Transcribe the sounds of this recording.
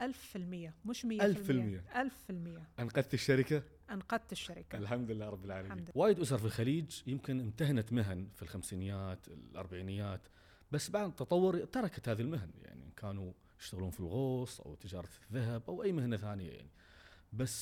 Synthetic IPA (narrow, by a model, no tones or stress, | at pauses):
ʔalffɪlmɪjːamʊʃmɪːalffɪlmɪjːaʔalffɪlmɪjːaʔanqɑd̪̚t̪ɪʃːaɾɪka | ʔanqɑd̪̚t̪ɪʃːaɾɪkʔlħamd̪ɪlːaːɾˤɑbːɪlʕaːlamwaːjɪd̪ʔʊs̬ɑɾˤfilxaliːd͡ʒjɪmkɪnɪmt̪ahnat̪mɪɦanfilxamsiːnjːaːt̪ɪ̰lʔɑ̰ɾˤbaʕiːnɪjːaːt̪ | basːbaʕd̪t̪ːɑt̪ˤɑwːʊɾt̪ɑɾˤɑkḁt̪haːðalmaɦnja̰ʕnḭnkʰaːnu | jɪʃt̪aɣluːnfilɣoːsˤʔa̰wt̪ːɪd͡ʒɑːɾˤɑt̪ðːaɦabʔawʔajːmahnaθaːnɪja̰ja̰ʕni | basː